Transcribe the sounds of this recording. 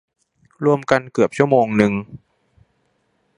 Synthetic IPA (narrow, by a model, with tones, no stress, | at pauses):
ɾu˧əmka˧nkɯ˨˩əp̚t͡ɕʰu˥˩əmoː˧ŋnɯ˧ŋ